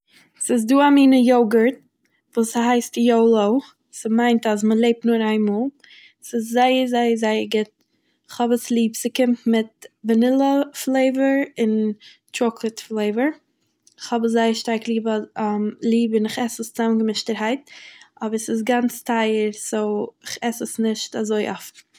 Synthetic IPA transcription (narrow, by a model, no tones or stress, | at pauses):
sɪs̬duːamiːnəjoʊɡəɾt̚ | vuːshaɪstjoʊlˠoʊ | səmaɪntasməlˠeɪp̚tnʊːɾaɪnmɔːlˠ | sɪszaɪəɾzaɪəɾzaɪəɾɡɪt̚ | ɪχhɔbəslˠiːpsəkɪmtmɪt̚bənɪlˠəflˠeɪvəɾɪn | tɾɔklˠətflˠeɪvəɾ | ɪχhɔbəszaɪəʃtaɾklˠiːb | lˠiːbɪnɪχɛsəst͡samɡəmɪʃtəɾhaɪtʔɔbəɾsɪs̬ɡant͡stʰaɪəɾsoʊɪχɛsəsnɪʃtazoɪʔɔfn̩